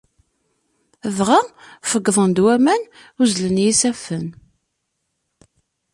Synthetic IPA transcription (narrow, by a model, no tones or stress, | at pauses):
əvʁafəɡːðˤənd̪wæmæn | uzlənjisæfən